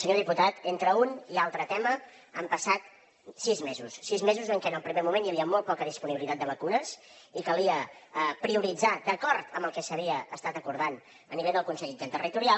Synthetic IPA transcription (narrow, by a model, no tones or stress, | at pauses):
səɲoðiput̪at̪ent̪ɾəunialˠt̪ɾət̪ɛmə | əmpəsat̪ | sizmezusːizmezuzəŋkɛənəlˠpɾimemumenjaβiəmɔlˠt̚pɔkəðispuniβilit̪at̪̚d̪əβəkunəsikəlˠiəpɾiuɾid͡zad̪əkɔɾt̪əmbəlˠkɛsəβ̞iəəst̪at̪əkuɾð̞an | əniβeʎðəlˠkunsɛʎid͡ʒɛnt̪ərit̪uɾia